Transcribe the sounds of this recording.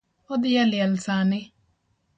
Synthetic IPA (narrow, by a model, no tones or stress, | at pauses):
ɔd̪ɪjalɪɛlsanɪ